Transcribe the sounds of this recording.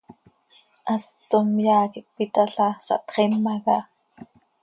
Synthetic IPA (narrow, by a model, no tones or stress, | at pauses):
ʔɑst̪omjaːkik̚pit̪aɬɑsɑ̰ʔt̪χɛmːɑɣɑ